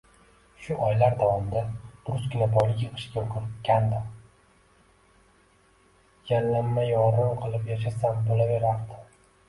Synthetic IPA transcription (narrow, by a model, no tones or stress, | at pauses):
ʃʊʔɒjlaɾd̪avɒmɪd̪ad̪̥ʊɾʊsɡʲɪnabɒlˠɪkʲjɨqʰɨ̥ʃɡʲaokʰɾkʲʰːand̪ɪ | janlːamːajɒɾɨnqʰɨlˠɪpjaʃ̬asambolave̞ɾaɾd̪ɪ